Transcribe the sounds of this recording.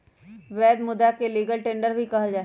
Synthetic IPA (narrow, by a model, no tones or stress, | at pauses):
ʋɛːd̪mʊd̪akeliːɡəlʈẽːɳɖəɾbʱikɐɦad͡ʒaː